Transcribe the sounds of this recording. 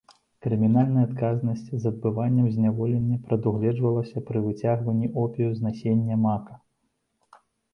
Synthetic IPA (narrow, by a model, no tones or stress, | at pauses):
kɾɨmʲinalʲnɐjɐat̪kaznɐsʲt͡sʲzɐd̪̚bɨvanʲːɐmzʲnʲavɔlʲenʲːɐpɾɐd̪uɣlʲɛd͡ʐvɐlˠɐsʲɐpɾɨvɨt͡sʲaɣvɐnʲːiʔɔpʲejuznasʲenʲːɐmakɐ̥